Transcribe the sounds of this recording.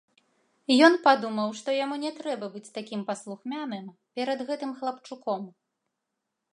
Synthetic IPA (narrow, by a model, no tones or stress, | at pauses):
jɔnpad̪umɐwʂt̪ɔjamunʲɛt̪ɾɛbɐbɨt͡sʲt̪akʲimpɐslˠuxmʲanɨmpʲɛɾɐd̪ɣɛt̪ɨmxlˠɐpt͡ʂukɔm